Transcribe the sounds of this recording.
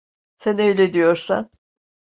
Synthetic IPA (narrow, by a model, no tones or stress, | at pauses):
sænø̞jlʲɛd̪ijo̞ɾsa̰n